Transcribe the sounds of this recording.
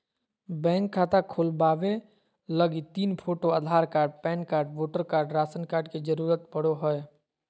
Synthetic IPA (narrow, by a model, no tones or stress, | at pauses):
bɛ̃ːŋkʰːaːt̪akʰoːlbaːʋe | ləɡit̪iːnpʰoːʈoaːd̪ʱaːɾkaːɾɖ̚pɛ̃ːnkaːɾɖʋoːʈəɾkaːɾɖɾaːsənkaːɾɖked͡ʒəɾuːɾət̪bəɽ̤oɦəe